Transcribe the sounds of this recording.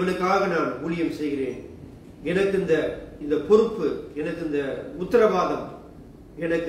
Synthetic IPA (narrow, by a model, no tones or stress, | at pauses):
ʋɐnɯkːaːɣɐnaːnuːɭɪjɐmsɛjɣɪreːn | ɛnɐkːɯɪnd̪ɐɪnd̪ɐpɔɾɯpːɯɛnɐkːɯɪnd̪ɐʊt̪ːɐɾɐʋaːðɐm | ɛnɐkː